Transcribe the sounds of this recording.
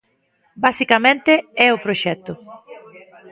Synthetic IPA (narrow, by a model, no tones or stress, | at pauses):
basikamẽnt̪eɛʊpɾoʃɛt̪ːʊ